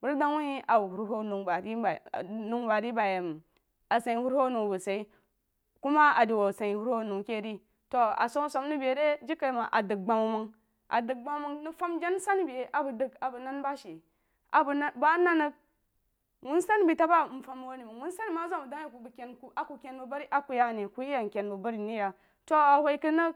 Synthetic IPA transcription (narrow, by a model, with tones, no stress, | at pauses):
bu˦ɾda˦ŋwu˦i˦a˨wu˨bu˨ɾɦo˦nu˨ŋba˨ɾi˦˨nu˨˦ŋba˨ɾi˦ba˨ja˨m˨ | a˨sa˨i˨hu˦ɾho˦nu˨bu˨sa˨i˦ | ku˦ma˦a˨di˨wa˨sa˨i˨hu˦ɾho˦˨nu˨ŋke˦˨ɾi˦ | to˨a̰˨so˦so˦m˦ni˦be˨˦ɾe˦d͡ʒi˦kːa˨ma˨ʔa˨dɨ˨k̚ɡ͡ba˨mu˨ma˦ŋ | ʔa̰˨dɨ˨k̚ɡ͡ba˦mu˦ma˦ŋni˦fa˦md͡ʒa˦n˦sa˦n˦bi˨e˨ʔa˨bə˨də˦ka˨bə˨na˦nba˦ʃe˨ | a˨bu˨na˦ba˦na˦nə˦ɡ̚ | wu˦sa˦n˦bi˨ta˦ba˦˨m̩˨fa˦m˦wo˦ni˨mə˨ŋwu˦nsa˦ni˦˨ma˦za˦˨mu˨da˦ŋ˦ja˦˨ku˨bu˨kʲe˨nku˨ʔa˨ku˨kʲe˦nbu˨ba˦ɾi˦ʔa˦ku˨ja˦˨ne˨ku˦i˦ja˨ŋ˨kʲe˨nbu˨ba˦ɾi˨ni˦ja˨ | to˦a˨hʷwo˦i˦ki˦nə˦k